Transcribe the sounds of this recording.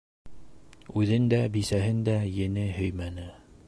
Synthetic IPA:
ʉðɘnd̪æbisæɦɘnd̪æjɘ̆nɘɦɵjmænɘ

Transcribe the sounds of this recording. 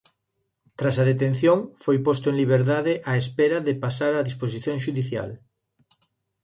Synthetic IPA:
t̪ɾasɐðet̪en̟θjoŋfojpost̪oẽŋliβ̞eɾðaðɪʔaespɛɾɐðɪpasaɾaðispos̬iθjoŋʃuðiθja̰l

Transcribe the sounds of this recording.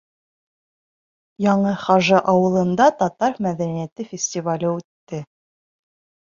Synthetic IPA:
jɑɴɤχɑʒɤʔɑwɤ̆lˠɤ̆nd̪ɑt̪ɒt̪ɑɾmæðænijæt̪ɘfʲɪsʲtʲɪvalʲɘʉt̪ːɘ

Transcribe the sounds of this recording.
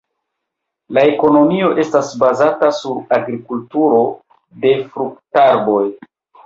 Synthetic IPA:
lae̞ko̞no̞mio̞ʔe̞stasbazatasuɾaɡɾikultuɾo̞ | de̞fɾuk̚taɾbo̞j

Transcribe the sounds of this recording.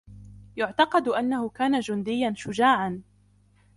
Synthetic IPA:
jʊʕt̪ɑqɑd̪ʔanːahʊkaːnad͡ʒʊnd̪ɪjːanʃʊd͡ʒaːʕan

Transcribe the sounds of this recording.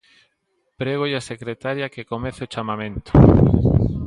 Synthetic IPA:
pɾeɣojasekɾet̪aɾjakekomɛθeot͡ʃamamẽnt̪o̥

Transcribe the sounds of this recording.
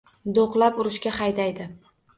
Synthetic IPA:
d̪oqlˠapʊɾɪʃkʲaχajd̪ajd̪ɪ

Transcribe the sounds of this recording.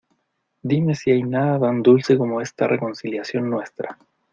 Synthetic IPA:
d̪ime̞siajnaðat̪and̪ulse̞ko̞mo̞e̞st̪areko̞nsiljasjo̞nːwe̞st̪ɾa

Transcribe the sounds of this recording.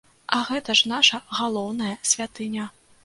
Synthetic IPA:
ʔɐɣɛt̪ɐʂnaʂɐɣalˠɔwnɐjɐsʲvʲat̪ɨnʲɐ

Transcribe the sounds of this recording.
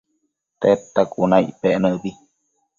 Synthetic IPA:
t̪et̪ːakʼunãjʔpeʔnə̃bi

